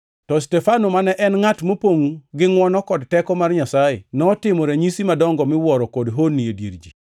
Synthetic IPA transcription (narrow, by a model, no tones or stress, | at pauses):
tɔstɛfanomanɛʔɛnŋatmopoŋɡɪŋwɔnɔkɔdtɛkɔmarɲasajḛnɔtɪmɔɾɛɲisimadɔŋɡɔmɪwɔɾɔkodɦonːiedjḭɾd͡ʒi